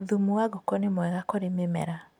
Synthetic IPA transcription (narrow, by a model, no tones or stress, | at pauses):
ðumuaɣɔkɔnemwɛɣakɔɾememɛ̰ɾa